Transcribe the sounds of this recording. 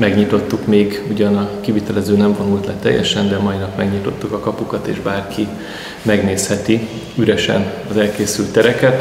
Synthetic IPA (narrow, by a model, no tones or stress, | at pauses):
mɛɡɲit̪o̞t̪ːukmeːɡuɟɒnɒkivit̪ɛlɛzøːnɛɱvonult̪lɛt̪ɛ̰jːɛ̰ʃɛnd̪ɛmɒinɒpmɛɡɲit̪o̞t̪ːukɒkɒpukɒt̪ḛːʒbaːrkʰi | mɛɡneːshɛt̪i | yɾɛʃɛ̰n | ɒzɛlkeːsylt̪ːɛɾɛkɛt̪